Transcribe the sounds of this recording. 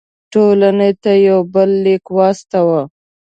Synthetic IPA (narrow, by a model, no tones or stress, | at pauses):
ʈolanet̪ajawbəlːekwɑst̪awa